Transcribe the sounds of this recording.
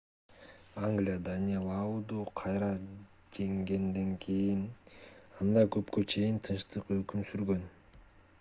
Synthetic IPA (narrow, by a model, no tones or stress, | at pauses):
aŋɡlʲijad̪anʲelˠaud̪uqʰɑjɾɑ | d͡ʒe̞ŋɡe̞nd̪e̞ŋkʰijin | ɑnd̪ɑkø̞pkø̞t͡ʃʰe̞jint̪ʰɯnʃt̪ɯqø̞kymsyɾɡø̞n